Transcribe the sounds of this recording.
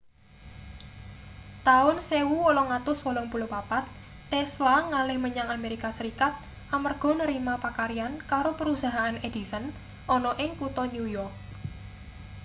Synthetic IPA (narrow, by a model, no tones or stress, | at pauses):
t̪aʊnsewuwɔlɔŋat̪ʊswɔlɔŋpulopapat̪ː | ɛslaŋalɪhməɲaŋameɾikasəɾikat̪̚ | ʔamərɡ̥ɔ̤nəɾimapakaɾiankaɾopəɾusaɦaʔaned̪̥i̤sən | ʔɔnɔʔɪŋkut̪ɔnujɔrk̚